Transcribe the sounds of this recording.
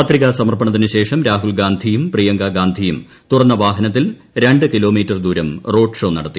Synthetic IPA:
pɐt̪riɣasɐmɐrpɐɳɐðinɨɕe̞ːʂɐmɾaːɦulɡaːnd̪ʱijumprijɐŋɡaɡaːnd̪ʱijum | t̪urɐnːɐʋaːɦɐnɐt̪̬ːil | ɾe̞ɳɖɨkilo̞ːmiːtːɐrd̪uːɾɐmro̞ːɖʂo̞ːnɐɽɐt̪ːi

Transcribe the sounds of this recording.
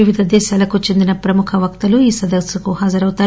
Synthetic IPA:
iʋid̪ʱɐd̪ɛːʃaːlɐkut͡ʃe̞nd̪inɐpɾɐmukʰɐʋɐkt̪ɐluiːsɐd̪ɐksɐkuɦaːd͡ʒɐɾɐwut̪aːɾ

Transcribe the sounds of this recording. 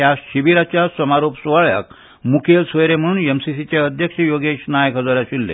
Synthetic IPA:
jaɕiʋiɾat͡ɕjasəmaɾopsʋaɭja̰k̚ | mukʰelsʋəjɾem̤əɽ̃uːnemsisit͡ɕjaəd̪ʱjəkʂəjoɡeʂnajəkɦəd͡zoɾjaɕilːḛ

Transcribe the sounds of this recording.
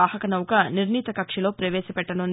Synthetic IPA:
aːhɐkɐnɐwukɐniɾniːt̪ɐkɐkʂɐlo̞ːpɾɐʋeːsɐpɛʈːɐnun

